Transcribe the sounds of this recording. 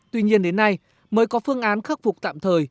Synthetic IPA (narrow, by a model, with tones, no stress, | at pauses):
t̪wi˧ɲi˧ənɗe˨˦nːa˧j | məː˨˦jkɔ˨˦fɨ˧əŋʔaː˨˦nxə˦˥p̚fʊ˨˩k͡p̚t̪a̰ː˧˨mt̪ʰəː˨˩j